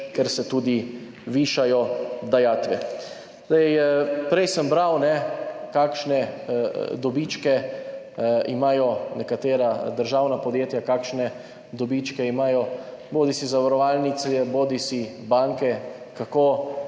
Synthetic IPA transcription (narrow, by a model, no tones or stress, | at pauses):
kɛɾsɛt̪uːd̪i | ʋiʃajɔd̪ajaːt̪ʋɛ | zd̪ɛjɛpɾɛjsəmbɾawnɛkakʃnɛ | d̪ɔbit͡ʃkɛ | imaːjɔnɛkat̪eːɾad̪əɾʒaːwnapɔd̪jeːt̪jakaːkʃnɛ | d̪ɔbit͡ʃkɛimaːjɔboːd̪isizaʋaɾɔʋaːlnit̪sɛboːd̪isibaŋkɛ | kakoː